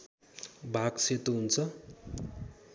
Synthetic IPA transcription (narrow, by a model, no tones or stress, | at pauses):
bʱaɡset̪oɦunt͡sʰʌ